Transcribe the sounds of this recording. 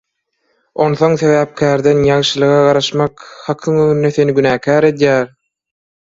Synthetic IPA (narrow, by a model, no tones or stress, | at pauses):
o̞nθo̞ŋθe̞βæːp̚kʰæːɾd̪e̞njɑŋʃɯlˠɯɣɑɢɑɾɑʃmɑkhɑqʰɯŋøŋynːe̞θe̞niɡynæːkʰæːɾe̞d̪jæːɾ